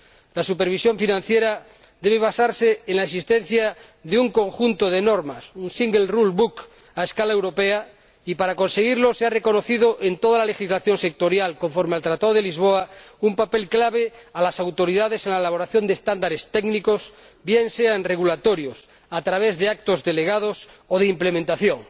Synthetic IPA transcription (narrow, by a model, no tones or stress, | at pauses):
lasupeɾβ̞isjo̞ɱfinãn̟θjeɾa | d̪e̞β̞eβ̞asaɾseːnlaesist̪en̟θja | ðeuŋkõ̞ŋxunt̪oð̞enoɾmasunsiŋɡelrulβuk | aeskalaewɾo̞pea | ipaɾako̞nseɣ̞iɾlo̞seare̞ko̞no̞θiðoʔent̪oð̞alale̞xizlaθjo̞nse̞k̚t̪o̞ɾjalko̞ɱfo̞ɾmealt̪ɾat̪aðo̞ðelizβ̞oaumpape̞lklaβ̞ealasawt̪oɾiðað̞esenlaelaβ̞o̞ɾaθjo̞nd̪est̪and̪aɾest̪eɡnikos | bjenseanreɣulat̪oɾjos | at̪ɾaβ̞ezðeak̚t̪ozðeleɣ̞að̞osoð̞eimplemẽnt̪aθjoŋ